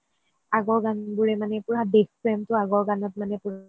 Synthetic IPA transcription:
aɡɔɹɡanbuɹɛmanɛpuɹabexpɹɛmtʊaɡɔɹɡanɔt̚manɛpuɹ

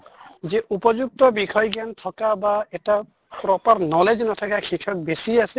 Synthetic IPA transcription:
zeʔupɔzuk̚tɔbikʰɔjɡantʰɔkabaɛta | pɾɔpaɾnɔled͡ʒnɔtʰɔkakʰikʰɔk̚besiasɛ

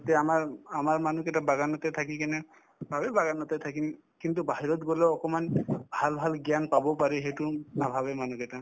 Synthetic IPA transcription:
t̪ɛamaɹamaɹmanukɛʈabaɡanɔt̪at̪ʰakikanɛ | bʱabebaɡanɔt̪at̪ʰaki | kint̪̬ubaɦiɾɔt̚ɡɔleɔkɔmanbʱalbʱalɡjanpabɔpaɹɛɦejtunabʱabemanukɛta

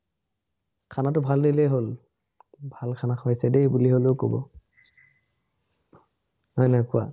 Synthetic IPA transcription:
kʰanatʊbʱaldilejɦol | bʱalkʰanakʰɔajsɛdebuliɦoleʊkobɔ̰ | hɔjnakua̰

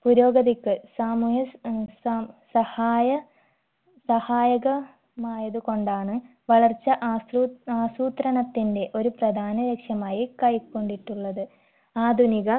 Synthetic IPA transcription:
puɾo̞ːɡɐðikːɨsaːmuːɦjɐssɐhaːjɐ | sɐhaːjɐɣɐ | maːjɐðuko̞ɳɖaːɳɨ | ʋɐɭɐrt͡ɕːɐʔuaːsuːt̪ɾɐnɐt̪ːinde̞ʔo̞ɾuprɐd̪ʱaːnɐɾekʂjɐmaːjikɐjkːo̞ɳɖiʈːuɭːɐðɨ | aːd̪ʱuniɣɐ

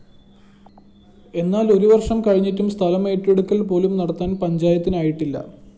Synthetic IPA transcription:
e̞nːaːlo̞ɾuʋɐrʂɐmkɐɻiɲːitːumst̪ʰɐlɐme̞ːʈːeɽukːɐɭpo̞ːlumnɐɽɐt̪ːaːnpɐɲd͡ʑaːjɐt̪ːinaːjiʈːilːɐ̰

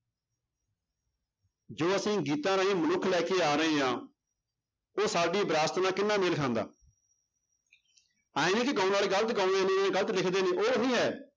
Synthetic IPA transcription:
d͡ʒoːəsĩːɡiːt̪ãːnãːɦĩːmənʊkʰːlɛːkeːaːɾəẽːãː | oːsaːɖiːbɾaːst̪nãːkɪnːaːmelkʰãːnd̪a̰ː | aːĩnĩːkɪkãːnaːleːɡələt̪kãːnd̪eːnẽːãːɡələt̪lɪkʰd̪eːnẽːʔoːəɦĩːɦɛː

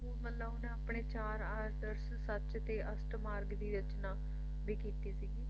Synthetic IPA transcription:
mət̪ləbʊnẽapɳeːt͡ʃaːɾaːɾd̪əɾssət͡ʃt̪eːʔəsʈmaːɾɡd̪iːɾət͡ʃnaː | biːkiːt̪iːsiːɡiː

